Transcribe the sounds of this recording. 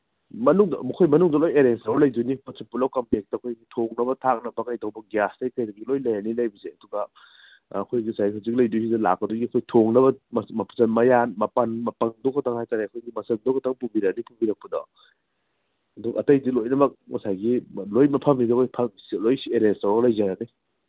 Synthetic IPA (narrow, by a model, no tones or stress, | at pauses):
mɐnuŋdmɐkʰojmɐnuŋdɐlojeɾensalɐjdunipɐsʰipulawkɐmplek̚tɐɐkʰojɡitʰoŋnɐbɐtʰak̚nɐbɐkajdɐwbɐɡjastɐjkɐjdɐɡilojlɐjanilɐjbiseɐduɡɐː | kʰojɡisajihawzik̚lɐjdus̬idɐla̰k̚pɐdoɡiɐkʰojtʰoŋnɐbɐmmɐpʰzɐnmɐjanmɐpɐnmɐpɐŋdokɐtʰaŋhajtaɾeɐkʰojɡimɐsɐndokʰɐtʰaŋpumbiɾɐk̚nipumbiɾɐk̚pɐdɔ̰ | ɐduɡɐɐtɐjdilojnɐmɐk̚mɐsajɡilojmɐpʰɐmidkʰojpʰɐmsilojsieɾensaolɐjzaŋɾaɡaj